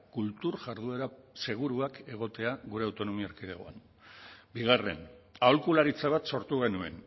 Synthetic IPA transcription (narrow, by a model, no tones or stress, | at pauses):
kult̪uɾʝaɾðue̞ɾase̞ɣ̞uɾuake̞ɣ̞o̞t̪e̞aɣuɾe̞awt̪o̞no̞miaɾkiðeɣo̰a̰n | biɣ̞are̞̰naolkulaɾit͡saβ̞at̪so̞ɾt̪uɣ̞e̞nue̞̰n